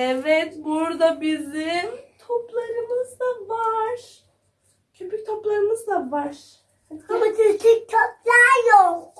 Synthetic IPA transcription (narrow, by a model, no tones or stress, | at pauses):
ɛvɛt̪buɾd̪abizimt̪ʰoplˠaɾɯmɯzd̪avaɾ | cʰøpyc̚t̪ʰo̞plˠaɾɯmɯzd̪avaɾ | amat͡ʃʰit͡ʃicʰøp̚ʲlʲæɾjol